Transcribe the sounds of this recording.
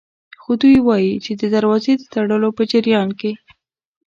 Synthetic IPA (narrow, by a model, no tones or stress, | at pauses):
xod̪ujwɑjit͡ʃed̪əd̪əɾwɑzed̪ət̪aɽəlopəd͡ʒɪɾjɑnke